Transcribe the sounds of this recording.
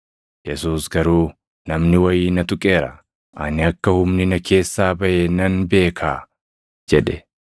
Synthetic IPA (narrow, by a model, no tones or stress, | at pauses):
jɛsuːsɡɐɾuː | nɐmnɪwɐjiːnɐt̪ʊkʼe̞ːɾɐ | ʔɐnɪɐkːɐhʊmnɪnɐkʰe̞ːsːaːbɐʔenɐnbe̞ːkʰaː | d͡ʒɛᶑɛ